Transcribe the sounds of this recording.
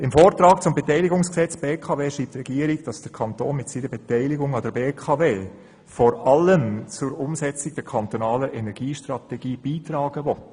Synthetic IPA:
ɪmfoːɾtɾɑːkt͡sʊmbɛtɛɪlɪɡʊŋsksɛt͡sb̥eːkʰɑːveːʃiːp̚tɾɛɡiəɾiɡd̥ɑsd̥əɾkʰɑnto̰ːnmɪtsiːnəbɛtɛɪlɪɡʊŋɑdəɾbeːkʰɑveː | fɔɾɑləmt͡sʊɾʊmsɛt͡sɪɡ̚d̥ɛɾkʰɑntɔnɑːləʔɛnɛɾɡ̥iːʃtɾɑtɛɡ̥iːb̥iːtɾɑːɡ̥əʋɔt

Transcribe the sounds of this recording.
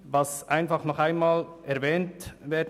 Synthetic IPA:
vɑsʔaɪnfɑχnɔχaɪnmɑːlʔɛɾvɛːntvɛːd

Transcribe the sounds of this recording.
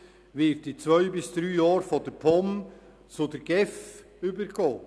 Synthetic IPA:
ʋɪtdit͡svœʏbɪsd̪̥ɾyːjɑːɾfɔd̥əɾpʰɔm | t͡sʊdəɾɡ̥ɛf | ybəɾɡ̥oː

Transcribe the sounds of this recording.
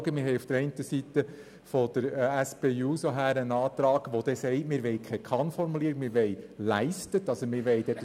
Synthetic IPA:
ɡəmɪɾɦɛjufd̥əɾɛɪntəsit̪ə | fɔd̥̪əɾæspeːuːsoɦæːɾənɑːt̪ɾɑːɡ̥ʋod̪ɛsɛɪtmɪːɾʋɛjkʰχɛkʰɑnfɔɾmuliːɾikmɪːɾʋɛɪlæɪstətɑsəmɪɾʋɛɪd̥̪ɛt̪

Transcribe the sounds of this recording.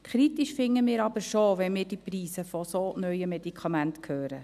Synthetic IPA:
kʰɾit̪iʃfɪŋːəmɪːɾɑbəɾʃoʋɛnmɪːɾd̥ipriːsəfɔsonœjəmɛd̪ikχɑmænt̪kʰhøːɾə

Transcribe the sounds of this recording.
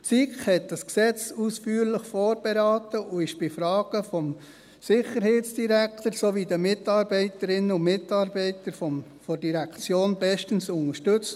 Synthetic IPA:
t͡sikχhɛt̚d̥ɑsksɛt͡susfyːɾləχfɔːɾb̥ɛɾɑːt̪əʔʊɪʃb̥ɪfɾɑːɡ̥əfɔm | sɪχəɾheːtt͡sd̥iɾæktəɾsoʋidəmɪtɑːɾbɛɪtəɾɪnəʊmɪtɑːɾbɛɪtəɾfɔmfɔrdiɾækʰt͡sjoːnbɛʃtənsʊnəʃtɵt͡st

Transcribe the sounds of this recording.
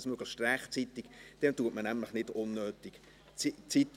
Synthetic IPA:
smøɡ̥lɪʃtrɛχt͡sit̪ɪkd̥ɛntuətmənæmləχnɪdʊnːøːt̪ik | t͡sit͡sit

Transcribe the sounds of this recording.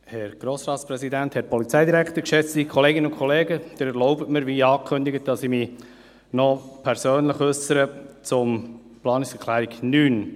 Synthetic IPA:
hɛɾɡ̥ɾoːsɾɑːtsprɛsidænthɛt̚pɔlit͡sɛjdiɾækʰt̪əɾkʃɛt͡stikʰɔleːɡɪnəʊnkʰɔleːɡəd̥̪ɪɾɛɾlɔʊbətməɾʋiːɑːkʰʏnd̪iɡət̚d̥ɑsimi | nɔpʰɛɾsøːnləχsəɾət͡sʊm | plɑːniksɛɾkʰlæːɾiɡnyːn

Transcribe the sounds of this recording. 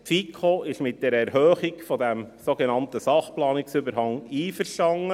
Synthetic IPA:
tfikʰoʔɪʃmɪt̚d̥ɛːɾɛɾɦøːχɪkfɔdɛmsoɡenɑntəsɑχplɑːnɪksybəɾhɑŋiːfəɾʃtɑŋːə

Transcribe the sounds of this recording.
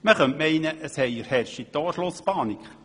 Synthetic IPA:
məχœntmɛɪnəʔəshɛjəɾhɛrʃit̪ɑːʃlʊspɑːnikχ

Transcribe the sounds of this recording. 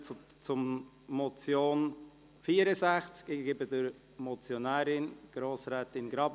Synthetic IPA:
t͡sʊmː | ɔt͡sjoːn | fiːəɾəzæχt͡skɡɪbədəɾ | mɔt͡sjonæːɾɪnɡ̥ɾoːsɾɛːtɪnɡɾɑb

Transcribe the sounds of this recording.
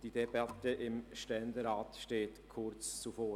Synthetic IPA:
d̥idɛbɑtəʔɪmʃtɛndəɾaːtʃteːtkʰʊɾt͡st͡sufoː

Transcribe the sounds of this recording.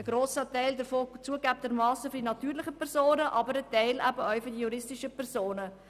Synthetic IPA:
əɡ̥ɾoːsətɛɪldəɾfoːt͡suəɡæp̚təɾmɑːsəfʏdinɑtyːɾlɪχəpɛɾsoːnəʔɑbəɾətɛɪlʔæbəœɥfʏɾdijuɾɪstiʃəpʰɛɾzoːnə

